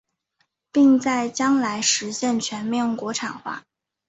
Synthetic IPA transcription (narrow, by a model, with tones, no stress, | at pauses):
pi˥˧ŋt͡sa˥˩ɪt͡ɕjɑ˥ŋla˧˥ɪʂɻ̩˧˥ɕjɛ˥˩nt͡ɕʰɥɛ˧˥nme˧˥˩ŋkwɔ˧˥ʈ͡ʂʰɑ̰˨˩ŋxwa̰˥˩